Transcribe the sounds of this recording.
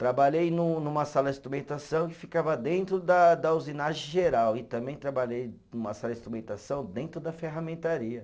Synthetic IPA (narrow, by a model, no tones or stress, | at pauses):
t̪ɾabaʎejnũnũmɐsalɐɪst̪ɾumẽnt̪asɐ̃w̃kɪ̥fikavɐd̪ẽnt̪ɾʊd̪ɐd̪ɐuzinaʒẽʒeɾawɪt̪ɐ̃mbẽj̃t̪ɾabaʎejnũmɐsalɐɪst̪ɾumẽnt̪asɐ̃w̃d̪ẽnt̪ɾʊd̪ɐfeɦamẽnt̪aɾiɐ